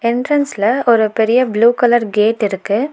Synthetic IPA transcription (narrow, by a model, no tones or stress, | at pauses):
ɛɳʈɾɐnslɐɔɾɯpɛɾɪjɐbluːkɐlɐɾɡeːʈːɪɾɯkːɯ